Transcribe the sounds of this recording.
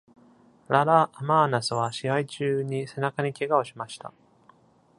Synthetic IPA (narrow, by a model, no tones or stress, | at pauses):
ɾaɾaʔːmaːnasɨβ̞aɕiait͡ɕɨːɲ̟ise̞nakaɲ̟ikʲe̞ɡao̞ɕimaɕi̥t̪a̰